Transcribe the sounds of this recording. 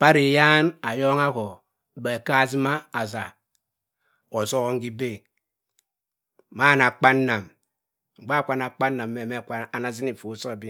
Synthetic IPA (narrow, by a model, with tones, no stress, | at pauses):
pa˦ɾi˨ja˦na˨jo˦ŋa˦ko˨ | ba˨ka˦zi˦ma˦a˨za˨ | o˨so˦ɣo˦ŋ̩˦ɡi˦be˦˨ | ma˦˨na˨k͡pa˦nːa˨m˨ | ŋ͡m̩˨ɡ͡ba˦˨kʷa˨na˨k͡pa˦nːa˨mː˦e˨me˦˨ka˨na˨zi˦ni˨fo˨˦so˦˨bi˦